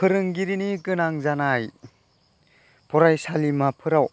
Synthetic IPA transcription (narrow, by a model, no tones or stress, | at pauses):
pʰɯɾɯŋɡiɾinikɯnaŋzanaj | pʰɔɾajsalimapʰɯɾaw